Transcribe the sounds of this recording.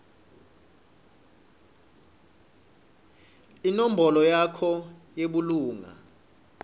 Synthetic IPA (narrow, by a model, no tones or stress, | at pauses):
inom̩bɔlɔjakʰɔjeɓuluːŋa̰